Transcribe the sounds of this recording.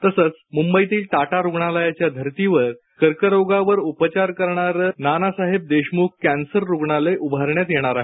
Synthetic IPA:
t̪əsət͡smumbəit̪iːlʈaʈaɾuɡɳalajat͡ɕjad̪ʱəɾt̪iʋəɾ | kəɾkəɾoɡaʋəɾupət͡ɕaɾkəɾɳaɾənanasaɦeb̚d̪eɕmuk̚kːænsəɾːuɡɳaleʔubʱaɾɳjat̪jeɽ̃aɾaɦe

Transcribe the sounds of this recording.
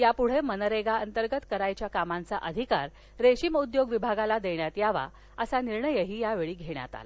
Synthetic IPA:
japuɽ̤emənəɾeɡaənt̪əɾɡət̪kəɾajt͡ɕjakamãnt͡saʔəd̪ʱikaɾ | ɾeɕiməud̪joɡʋibʱaɡalad̪eɳjat̪jaʋa̰ | əsaniɾɳəjəɦiːjaʋeɭiːɡʱeɳ̃ja̰t̪a̰l

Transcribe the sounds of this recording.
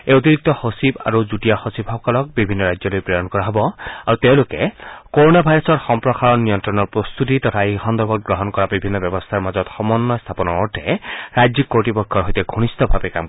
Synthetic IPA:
eot̪̬iɹik̚t̪ɔhosiba̰ɹuzutijaxosibhɔkɔlɔk̚bibʱinːɔɹajzɔlojpɹɔjɔnkɔɹaɦɔbɔaɹuteʊ̃lʊkɛkoɹonabʱajɾɔsɔɹxɔmpɹɔxaɹɔnːijɔnt̪ɹɔnɔɹpɹɔst̪ʰut̬it̪ɔtʰaexɔnd̪ɔɹbɔt̪̚ɡɹɔɦɔnkɔɹabibʱinːɔbjɔbɔst̪ʰaɹmazɔtxɔmɔnːɔst̪ʰapɔnɔɔɹtʰɛɹajzikːoɹʈipɔkʰːɔɹɦɔjtɛɡʱuñist̪ɔbʱabɛkamk

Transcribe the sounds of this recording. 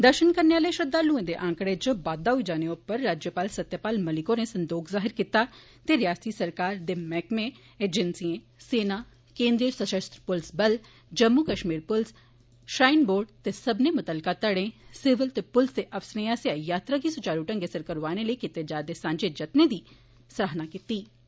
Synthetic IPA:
d̪əɾʃənkəɾneaːləeʃəd̪aːlũːẽːd̪eːʔãːŋkɽeːd͡ʒəbaːd̪aːɦʊid͡ʒaːneːʊpːəɾːaːd͡ʒjəpaːlsət̪ːjəpaːlməlɪkoneːsə̃nd̪oːkʰzaːɦɪɾkit̪aː | t̪eːɾɪjaːst̪iːsəɾkaːɾd̪eːmɛːkmẽ | eːd͡ʒɛnsiẽː | seːnaː | kẽːnd̪ɾiɾsəʃəst̪ɾəpʊlsbəl | d͡ʒɐmːukəʃmiːɾpʊls | ʃɾaːɪnboːɾɖ̚t̪esɐbnemʊt̪əlkat̪əɽẽsɪʋəlt̪epʊlst̪eʔɐʋsnəjasajaːt̪ɾakisʊt͡ʃaːɾuʈə̃ŋɡesəɾkəɾʋaːneləikit̪ed͡ʒaːd̪esãːɲd͡ʒed͡ʒɐt̪ned̪iː | sɾaːɦnakit̪iː

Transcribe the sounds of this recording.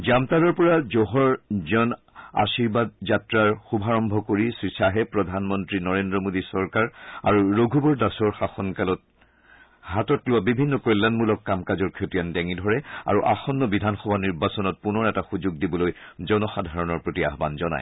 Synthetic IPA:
zamtaɾɔɹpɔɹazoɦɔɹzɔn | a̰siɹbad̚zatɹaɹxubʱaɹɔmbʱɔkoɹisɹisaɦɛpɹɔdʱanmɔntɹinɔɹendɹɔmodisɔɹkaɹa̰ɹuɹoɡʱubɔɹdasɔɹxaxɔnkalɔt̚ | ɦatɔtlʊwabibʱinːɔkɔjlːanmulɔkːamkazɔɹkʰetijandɛŋidʱɔɹɛa̰ɹuʔa̰xɔnːɔbidʱanxɔbʱaniɹbasɔnɔt̚punɔɹɛtaxuzuɡ̚dibɔloj | zɔnɔxadʱaɹɔnɔɹpɹotia̰ɦba̰nzɔna̰j

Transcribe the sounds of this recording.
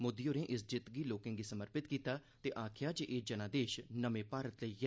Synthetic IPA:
mʊd̪iːoːɾẽːʔɪsd͡ʒɪt̪ɡiːloːkɪ̃ŋɡiːsəməɾpɪt̪kiːt̪aː | t̪eːʔaːkʰjaːd͡ʒeʔeːd͡ʒənãːd̪eːʃnəmẽːpaːɾət̪ləiː

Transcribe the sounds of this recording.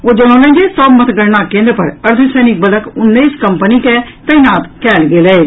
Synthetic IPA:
oːd͡ʒoɽ̃õːlẽd͡ʒesəbmət̪ɡəɽnakẽːnd̪ɾəpəɾəɾd̪ʱisɛːnɪk̚bələkʊnːəːskəmpəniket̪ɐinaːt̪kɛːlɡeːleː

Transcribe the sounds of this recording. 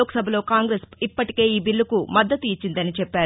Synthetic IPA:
oːksɐbʱɐlo̞ːkaːŋɡɾesipːɐʈi̥ke̞ːiːbiɭːɐkumɐd̪ːɐt̪uit͡ʃːind̪ɐnit͡ʃɛpːaːɾu

